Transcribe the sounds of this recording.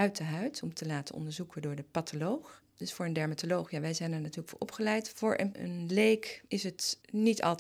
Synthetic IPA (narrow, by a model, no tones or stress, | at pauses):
œɥtəɦœɥtɔmtəlaːtənɔ̰ndəɹzukədʊːɹdəpatolowχ | d̥ɵsfʊːɹəndɛɹmatolowχjaːʋɛjzɛjnɛɹnatyːɹləkfʊ̰ːɹʔɔ̰pχəlɛjtfʊːɹʔə̰nə̰nlejkʔɪsətnitʰɑ̰lˠ